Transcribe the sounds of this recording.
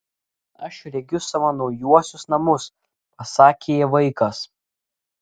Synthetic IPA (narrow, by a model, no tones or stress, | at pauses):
ɐʃɾʲɛɡʲʊsɐʋɐnɔʊjuɔsʲʊsnɐmʊs | pɐsɑːkʲeːjɛʋɐɪkɐs